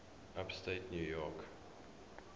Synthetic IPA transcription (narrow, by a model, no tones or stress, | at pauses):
ʔapstetnjuːjɔk